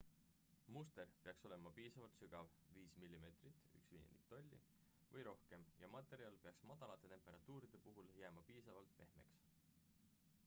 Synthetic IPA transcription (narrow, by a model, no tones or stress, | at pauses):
must̪e̞rpeɑkso̞le̞mɑpiːsɑvɑlt̪syɡɑv | viːsmilʲːime̞t̪ˑrit̪ːˑy̰ksvḭjend̪̥i̥k̚t̪olʲːḭ | vɤjɾo̞hke̞mjɑ̰mɑt̪ːˑe̞ɾiɑlpeɑksmɑd̪̥ɑlɑt̪ˑːe̞t̪e̞mpe̞ɾɑt̪ːˑuːɾid̪̥e̞puɦuljæːmɑpiːsɑvɑlt̪ˑpe̞̰hme̞̰ks